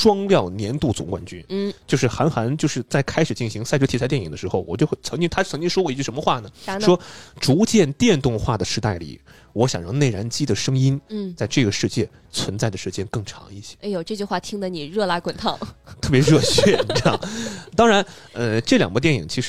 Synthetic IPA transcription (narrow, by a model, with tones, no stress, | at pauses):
ʈ͡ʂwɑ˥ŋljɑ˥˩ʊnjɛ˧˥nt̪u˥˩t͡sʊ̰˧˥ŋkwa̰˧˥nt͡ɕy˥n˥˩t͡ɕjo˥˧ʊʂɻ̩˥˩xa˧˥nxa˧˥nt͡ɕjo˥˧ʊʂɻ̩˥˧t͡sa˥˩ɪkʰa˥ɪʂɻ̩˨˩t͡ɕi˥˩nɕi˧˥ŋsa˥˧ʈ͡ʂt̪ʰi˥st̪ɛ˥˩i˨˩ŋd̪ə˦ʂɻxo˥˩ʊwɔ˨˩t͡ɕjo˥˧ʊxt͡sʰɤ˧˥ŋt͡ɕi˥ŋt̪ʰt͡sʰŋt͡ɕi˥ŋ˥ʂwɔ˥kwɔ˥˩i˧˥t͡ɕy˥˩ʂə˧˥nmə˧xwa˥˩nə˩˥ʂwɔ˥ʈ͡ʂu˧˥t͡ɕjɛ˥˧nt̪jɛ˥˧nt̪ʊ˥˧ŋxwa˥˩d̪ə˩ʂɻ̩˧t̪a˥˩ɪlḭ˨˩˦ | wɔ˧˥ɕjɑ˨˩ŋɻɑ˧˥ŋne˥˩ɻa˧˥nt͡ɕi˥d̪ə˨ʂɤ˥ŋi˥nt͡sa˥˧ɪʈ͡ʂɤ˥˩ɡə˩ʂɻ̩˥˧t͡ɕjɛ˥˩ | t͡sʰwə˧˥nt͡sa˥˩ɪd̪ə˩ʂɻ̩˥˩t͡ɕjɛ˥nkɤ˥˩ŋʈ͡ʂʰɑ̰˧˥ŋi˥˩ɕɛ˥e˥˩ɪjo˨˩ʊʈ͡ʂɤ˥˧˩t͡ɕy˥˧xwa˥˩t̪ʰi˥ŋd̪ə˨˧ni˨˩ɻɤ˥˧la˥kwə˨˩nt̪ʰɑ˥˩ʊt̪ʰɤ˥˩p̬jɛ˧˥ɻɤ˥˧ɕɛ˥˩i˧˥jɑ˥˩ŋt̪ɑ˥ŋɻa˧˥nə˥˧ʈ͡ʂɤ˥˩ljɑ˨˩ŋɡə˥t̪jɛ˥˩nḭ˨˩ŋt͡ɕʰi˧˥ʂɻ